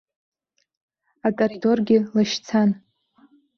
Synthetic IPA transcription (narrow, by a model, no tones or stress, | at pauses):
akʼoɾido̞rɡʲɪlaʃt͡sʰan